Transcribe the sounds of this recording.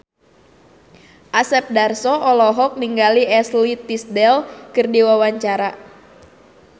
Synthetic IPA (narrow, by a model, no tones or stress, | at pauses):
ʔasɛp̚darsɔʔɔlɔɦɔk̚niŋɡaliɛslit̪isdɛlkɨrdiwawaɲt͡ʃaɾa